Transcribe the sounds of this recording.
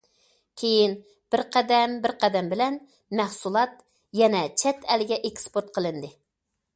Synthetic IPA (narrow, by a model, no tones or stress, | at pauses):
kʲʰejin | b̥ɪɾqʰɛd̪ɛmbɪɾqʰɛd̪ɛmbɪlɛn | mæhsulˠɑt̪ | jɛnɛt͡ʃʰɛt̪ʰɛlɪɡʲɛʔekʲspoɾt̪̚qʰəlˠɨnd̪ɨ